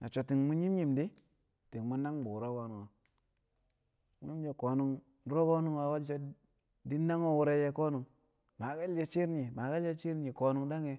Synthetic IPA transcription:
nʔa˨t͡ʃo˨ti˨ŋmu˦ɲi˦mɲi˦˨mdi˦ | ti˨ŋmu˦na˦ŋbu˨ɾo˦ɡo˦nu˨ŋa˨ | mu˦ɲi˦d͡ʒe˨ko˨nu˦ŋ | ɾo˦ɡo˦nu˦ŋwa˨wa˦lt͡ʃo˦ | di˦na˦ŋo˦wu˨ɾe˦je˦ko˦nu˨ŋ | ma˨ɡa˦ld͡ʒe˦t͡ʃi˦ɾi˨ma˨ɡa˦lje˦t͡ʃi˦ɾi˨ko˨nu˦ŋda˦ŋe˨

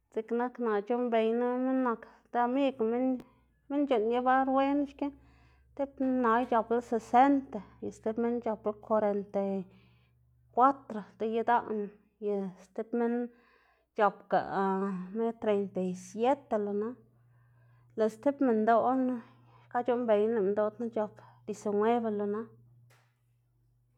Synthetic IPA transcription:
z̥i˨kna˦kna˨t͡ʃo˦mbe˨jna˦me˦nːa˧k | d̪a˧mi˦ɡme˦n | me˦nt͡ʃu˨nje˦ba˦ɾwe˦n˦ʃke˦ | t̪e˦bna˨˧jt͡ʃa˨˧bla˦se˨se˦nt̪a˨ja˨st̪e˦bme˦nt͡ʃa˨˧pla˦kʰʷa˧ɾe˧nt̪a˨ | kwa˦t̪ɾo˨d̪e˦je˧d̪a˦ʔna˨ | je˨st̪e˦bme˦n | t͡ʃo˨pka̰˨me˦t̪ɾe˨jnt̪a˨jsje˦t̪e˧lo˨na˦ | le˨st̪e˦pme˨nd̪o˦na˦ | ka˦t͡ʃo˦mbe˨jnle˨˧d̪o˦t̪na˦t͡ʃo˧pd̪i˧se˨nwe˦be˧lo˨na˦

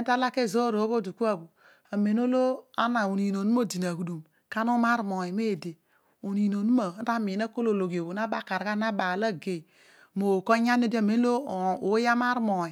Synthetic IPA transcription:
n˦ta˦la˦ke˦˨zo˦ɾo˨˦βo˦˨du˨ku˦a˦˨bu˨ | a˨me˨n˦o˦lo˦a̰˦na˨u˨ni˨no˨nu˦o˦˨di˨na˨ku˨du˨m | ka˦no˦ma˦ɾmo˨i˨me˦˨de˨ | u˨ni˨no˨nu˦ma˨˦a˦mi˨na˦ko˦lo˨lo˨ɡe˨bu˨na˦ba˦˨ka˨ɾa˦na˦ba˨la˦ɡe˨ | mo˨ko˦ɲa˦n˦e˦dme˨n˦o˦˨o˨˦ja˦ma˦ɾmo˨i˨

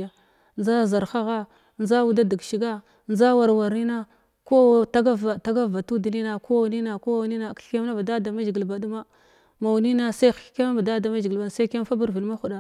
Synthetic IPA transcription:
a˨ | nza˦za˨ɾxa˦ɣa˦ | nza˦wu˦da˦di˨ɡʃi˨ɡa˦ | nza˦wa˨ɾwa˨ɾni˦na˦ | ko˦ta˦ɡa˦a˨ta˦ɡa˦˨a˨tu˦di˨ni˦na˨ko˦˨ni˦na˨ko˦wa˨wni˦na˨kɬke˦m˦na˦ba˨da˦da˨ma˦d͡ʒɡi˨lba˨du˦ma˦ | ma˨wni˦na˦sa˦xke˦ma˦ba˨da˦da˨ma˦d͡ʒɡi˨ba˨sa˦ke˦m˦fa˦bu˦ɾvi˨lma˦xu˨ɗa˨

